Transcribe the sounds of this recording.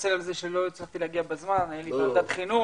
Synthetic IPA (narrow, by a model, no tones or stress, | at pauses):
selalzeʃelo̞t͡slaχt̪ileaɡiabazmanajalit̪nold̪at̪χinu